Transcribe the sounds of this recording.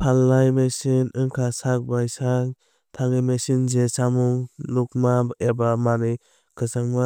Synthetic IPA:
pʰalːajmesinɯŋkʰasak̚bajsaŋ | tʰaŋɯmesinzesamuŋluk̚maebamanɯj | kʰɯsaŋma

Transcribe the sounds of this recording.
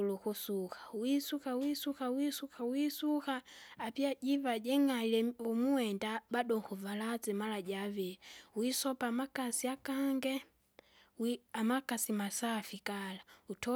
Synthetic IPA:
lukusukḁwisukawisuxawisukawisuxaːpiaɟivaɟɛŋailɛumuwɛndabadɔŋkuvalad͡zɛmalaɟavɛɛwisɔpamakasiakaŋɡɛ | wiamakasimasafikalautʰɔ

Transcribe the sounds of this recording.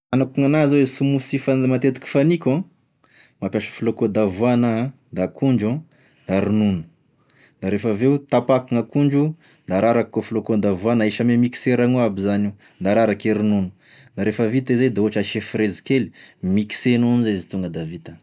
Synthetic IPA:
anakuŋanazawesumusifamat̪et̪u̥kʲi̥fanikʲã | mapʲjaʃə̥filokod̪avuana | d̪akuɳd͡ʒã | d̪aɾinunu̥ | d̪aɾefəveut̪apakuŋakuɳd͡ʒu | d̪aɾaɾakkofilokod̪avuanaeʃamemiki̥seɾaŋuabizani | d̪aɾaɾakeɾinunu̥ | d̪aɾefəvit̪izejd̪auaʈ͡ʂaʃefɾezi̥keli̥miki̥senunizazit̪uŋɡəd̪avit̪ə

